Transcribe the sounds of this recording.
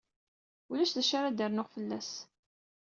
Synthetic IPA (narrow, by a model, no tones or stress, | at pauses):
ulæʃðæʃaɾad̪əɾnʊʁfəlːæs